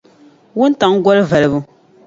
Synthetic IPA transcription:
wu˦n̩˦ta˨ŋ̩˦ɡwɔ˦lva˨lɨ˨bu˦

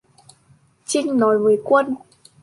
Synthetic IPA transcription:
t͡ɕï˧ŋ̟nɔ˨˦jvəː˨˦jkwə˧n

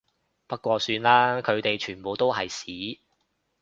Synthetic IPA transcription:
pɐ˥kʷɔː˧syː˧nlaː˥kʰɵ˨˧ɥt̪e˨jt͡ʃʰyː˨˩npo˨˧wt̪o˥wɦɐ˨jsiː˨˥

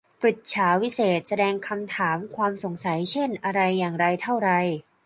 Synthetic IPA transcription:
pɾi˨˩t̪̚t͡ɕʰaː˩˦wi˦˥seː˨˩t̪̚sa˧dɛː˧ŋkʰa˧mt̪ʰaː˩˦mkʰwaː˧mso˩˦ŋsa˩˦jt͡ɕʰe˥˩nʔa˧ɾa˧jːaː˨˩ŋɾa˧jt̪ʰa˥˩wɾa˧j

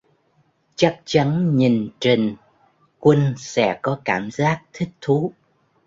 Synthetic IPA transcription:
t͡ɕa˦˥k̚t͡ɕa˨˦nɲi˨˩nt͡ɕi˨˩ŋ | kwə˧nsɛ̰˧˥kɔ˨˦kaː˧˩mzaː˦˥k̚t̪ʰï˦˥k̟̚t̪ʰu˨˦

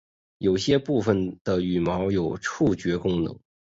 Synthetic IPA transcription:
jo˨˩ʊɕjɛ˥pu˥˩fə˨˩nd̪̥ə˩y˨˩mɑ˧˥ʊjo˨˩ʊʈ͡ʂʰu˥˩t͡ɕɥɛ˧˥kʊ˥ŋnɤ̰˧˥ŋ

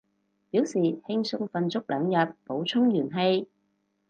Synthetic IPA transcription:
piː˨˥wsiː˨˩hɪ˧ŋsɵ˧ŋfɐ˨nt͡sʊ˥k̚lʔœː˨˧ŋjɐ˨t̚po˨˧˥wt͡ʃʰʊ˥ŋjyː˨˩nɦe˧j

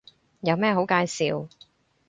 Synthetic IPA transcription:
jɐ˨˧wmɛː˥ɦo˨˥wkaː˧jsiː˨˧w

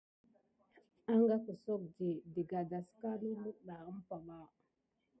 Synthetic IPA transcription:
a˦ŋɡa˦kə˨so˦k̚d͡ʒi˨di˨ɡa˨da˨ska˦lu˦mu˦ɗa˨ə˦m˦pa˨ba˦˨

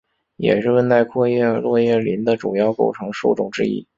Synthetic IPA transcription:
jɛ̰˨˩ʂɻ̩˥˧wə˥˧nt̪a˥˧ɪkʰwɔ˥˧jɛ˥˩˧lwɔ˥˧jɛ˥˩li˧˥nd̪ə˨ʈ͡ʂu˨˩jɑ˥˧ʊko˥˩ʊʈ͡ʂʰɤ˧˥ŋʂu˥˩ʈ͡ʂʊ˨˩ŋʈ͡ʂɻ̩˥˧ḭ˥˩

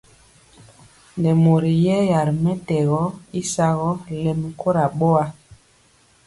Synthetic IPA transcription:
nɛ˨mo˨ɾi˨jɛ˦ja˨ɾmɛ˦tɛ˨ɣɔ˦i˦sa˦ɣɔ˦lɛ˦m˨kʰo˦ɾa˨ɓo˦a˦

